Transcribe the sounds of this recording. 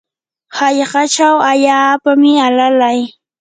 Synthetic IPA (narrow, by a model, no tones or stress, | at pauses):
haʎɢɑt͡ʃawaʎaːpamɪalalaj